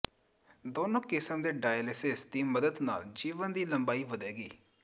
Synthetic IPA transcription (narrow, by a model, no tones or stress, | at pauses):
d̪oːnõːkɪsəmd̪eːɖaːjəlɪsɪsd̪iːməd̪əd̪na̰ːld͡ʒiːʋənd̪iːləmbaːiːʋəd̪ɛːɡiː